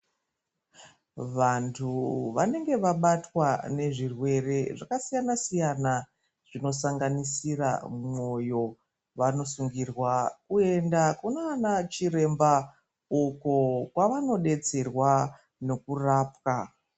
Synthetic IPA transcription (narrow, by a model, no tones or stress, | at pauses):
ʋantʰuʋane̞ŋɡe̞ʋaɓatwane̞ʐirwe̞re̞ʐakasijanasijana | ʐ̥ino̞saŋɡanisira̰mo̞jo̞ | ʋano̞suŋɡirwakue̞ndakunoanat͡ʃire̞mba | ukokwaʋano̞ɗe̞t͡se̞rwa | no̞kuraːpka